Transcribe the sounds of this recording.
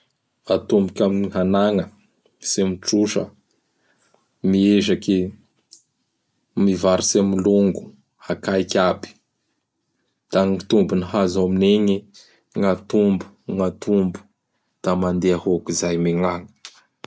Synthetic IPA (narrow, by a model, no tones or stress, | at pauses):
at̪umbukʲaminiɦanaŋə | semiʈ͡ʂuʃə̰ | mieʒaki | mivaɾisemiluŋɡu | akajkʲabi̥ | d̪̥aŋit̪umbuniɦazamineŋi | ŋat̪umbu̥ | ŋat̪umbu̥ | d̪̥amand̪eahokizajmeŋaŋə̥